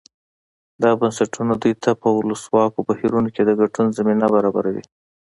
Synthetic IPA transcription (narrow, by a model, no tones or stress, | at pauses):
d̪ɑbansaʈʰunad̪ujt̪ʰapəwʊləswɑkobahiɾunoked̪əɡaʈunzaminabaɾɑbaɾawḭ